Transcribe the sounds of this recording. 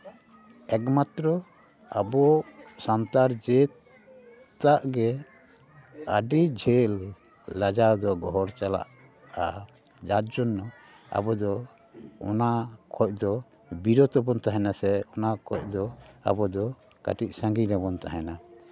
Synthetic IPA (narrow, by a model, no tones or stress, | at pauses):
ɛkmat̪ɾɔ | a̰bɔsant̪aɾd͡ʒɛt̪ | t̪aʔɡɛ | aɖid͡ʒʱɛlː | ad͡ʒad̪ɔɡɔɦɔɾt͡ʃala̰ʔ | a | d͡ʒat̪̚d͡ʒɔnːɔ | a̰bɔd̪ɔ | ɔnakʰɔc̚ˀd̪ɔ | biɾɔt̪ɔbɔnt̪aɦɛnasɛɔnakʰɔc̚ˀd̪ɔa̰bɔd̪ɔ | ka̰ʈiʔ̚sãŋɡiɾɛbɔnt̪aɦɛna